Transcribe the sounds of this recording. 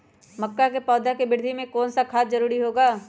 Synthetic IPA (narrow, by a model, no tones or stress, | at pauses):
mɐkːakepɔːd̪ʱakebɪɾd̪ʱimẽkɔːnsakʰaːt̪zɐɾuːɾiɦoːɡaː